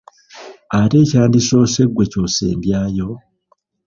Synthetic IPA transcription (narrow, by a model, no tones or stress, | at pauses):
aɾe̞ːcaːndiso̞ːse̞ɡweco̞se̞̰ːmbjaːjo